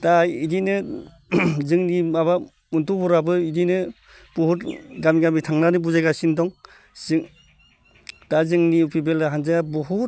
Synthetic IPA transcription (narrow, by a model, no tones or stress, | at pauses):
taidinɯ | zɯŋnimaba | untubɔɾabɯidinɯ | puhutɡamiɡamitʰaŋnanɯbuzajɡasindɔŋ | siŋ | tazɯŋniupibeldaɦanzajabɔɦu